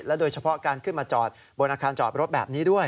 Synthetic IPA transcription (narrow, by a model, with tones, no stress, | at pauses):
lɛ˦˥doː˧jt͡ɕʰa˧pʰɔ˦˥kaː˧nkʰɯ˥˩nmaː˧t͡ɕɔː˨˩t̪̚ | bo˧nʔaː˧kʰaː˧nt͡ɕɔ̰ː˨˩t̪̚ɾo˦˥t̪̚bɛː˨˩p̚niː˦˥du˥˩əj